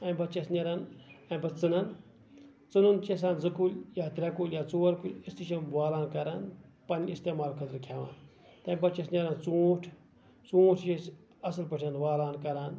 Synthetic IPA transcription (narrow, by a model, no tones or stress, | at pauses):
ɐmʲbɐt͡ʃɐsnʲɐɾanɐmʲbɐt͡sɨnɐn | t͡sɨnunt͡ʃes̬aːnzɐkuljaːt̪ɾʲɐkuljaːt͡soːɾkulʲist̪iʃɐmʋaːlaːnkɐɾaːn | pɐnʲist̪eːmaːlkʰɐt̪ɾkʰʲaʋa̰ːn | t̪ɐmʲbɐt͡ʃɐsnʲɐɾant͡suːʈʰ | t͡suːʈʰʃet͡ʃ | ɐsɨlpɐʈʰɐnʋaːlaːnkɐɾaːn